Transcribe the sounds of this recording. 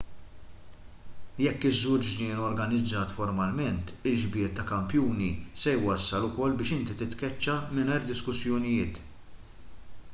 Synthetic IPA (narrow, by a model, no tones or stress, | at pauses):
jɛkːɪzːɔwt͡ʃd͡ʒnɪːnɔɾɡɐnɪd͡zːɐːt̪fɔɾmɐlmɛnt̪ɪlʒbɪːɾt̪ɐkɐmpjuːnisɛjwɐsːɐlʊkɔlːbɪːʃɪnt̪it̪ɪt̪kɛt͡ʃːɐmɪnɐːɾd̪ɪskʊsjɔnɪjɪːt̪